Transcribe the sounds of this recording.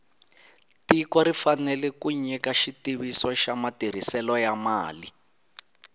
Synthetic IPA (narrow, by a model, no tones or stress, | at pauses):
tikwɔɾifanɛlɛkuɲɛkaʃitiβisɔʃamatiɾ̤isɛlɔjamaːli